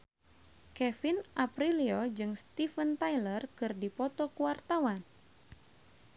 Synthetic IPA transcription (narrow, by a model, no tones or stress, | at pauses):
kɛfinʔapɾiliod͡ʒɨŋst̪ifənt̪ajlərkɨrdipɔt̪ɔkuwart̪awan